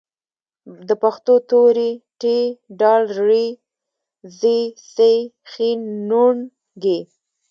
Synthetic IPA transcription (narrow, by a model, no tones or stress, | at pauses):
d̪əpaxt̪ot̪oɾiʈeɖɑlɾi | zisexinːuɳ | ɡe